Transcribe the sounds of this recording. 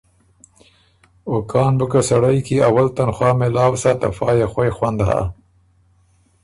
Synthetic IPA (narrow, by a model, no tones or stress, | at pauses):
okɑːnbʊkasaɽajkiawalt̪anxwɑːmelɑːwsat̪afɑːjexwajxwand̪ɦa̰